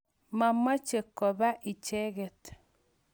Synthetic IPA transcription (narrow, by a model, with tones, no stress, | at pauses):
ma˨ma˦t͡ʃe˨kɔ˨βa˦ʔi˨t͡ʃe˦ɣe˨t